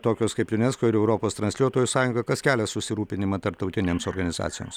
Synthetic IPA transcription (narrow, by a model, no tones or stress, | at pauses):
t̪oːkʲoːskɐɪpjʊnʲɛskoːɪɾɛʊɾoːpoːst̪ɾɐnsʲlʲuɔt̪oːjʊsɑːjʊŋɡɐkɐskʲæːlʲɛsʊsʲɪɾuːpʲɪnʲɪmɐt̪ɐɾp̚t̪ɐʊt̪ʲɪnʲeːmsoːɾɡɐnʲɪzɑ̰ːt̪sʲɪjo̰ːms